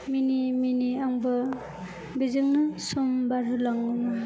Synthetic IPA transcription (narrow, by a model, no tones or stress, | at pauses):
miniminiaŋbɯ | bizɯŋnɯsumbaɾɯlaŋːuna